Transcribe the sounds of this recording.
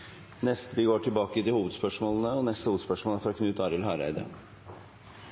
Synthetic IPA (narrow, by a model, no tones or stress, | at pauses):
nɛst̪əʋɪɡoːʈʰɪlbɑːkəd̪ɪhuːʋəd̪spœʂmoːlənəɔnɛst̪əhuːʋəd̪spœʂmoːləfɔɾɔkʰnʉːt̪ɑːɾɪlhɑːɾæ̰ɪd̪ə̰